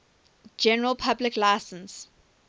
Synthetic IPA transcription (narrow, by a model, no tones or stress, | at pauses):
d͡ʒɛnəɹəlˠpʰablɪklaɪsə̃ns